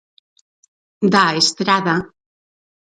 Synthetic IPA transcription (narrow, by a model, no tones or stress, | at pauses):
d̪aest̪ɾaða